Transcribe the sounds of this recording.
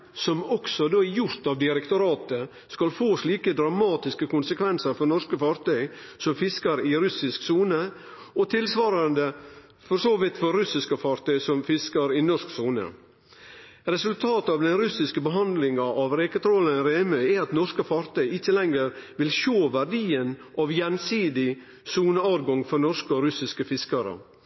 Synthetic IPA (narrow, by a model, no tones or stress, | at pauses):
sɔmɔksɔd̪oːæjʊɾt̪ɑʋd̪ɪɾɛkt̪ʊɾɑːt̪ə | skɑlfoːsliːkəd̪ɾɑmɑːt̪ɪskəkʊnsəkʰʋɛnsəɾfɔɾnɔʂkəfɑɾt̪œʏsɔmfɪskəɾɪɾʉsɪsksuːnə | ɔt̪ʰɪlsʋɑːɾɑnd̪ə | fɔɾʂoːʋɪt̪fɔɾɾʉsɪskəfɑɾt̪œʏsɔmfɪskɑɾɪnɔʂksuːnə̰ | ɾɛsʉlt̪ʰɑːt̪ɑʋd̪ɛnɾʉsɪskəbəɦɑnd̪lɪŋɑʔɑʋɾeːkət̪ʰɾɔlənɾeːmœʏæɑt̪nɔɾʂkəfɑɾt̪ʰœʏɪt͡ʃːəlɛŋəɾʋɪlʃoːʋæɾɖiːənʔɑʋjɛnsiːd̪ɪ | suːnəɑːɾɡɔŋfɔɾnɔʂkəɔɾʉsɪskəfɪskɑɾə̰